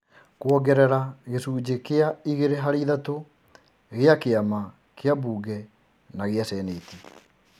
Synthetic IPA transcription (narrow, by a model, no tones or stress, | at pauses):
kwɔɡɛɾɛɾaɣesuːd͡ʑekeaiɣeɾeɦaɾiðato | ɣeakeama | keabuːɡɛ | naɣeasɛːneːti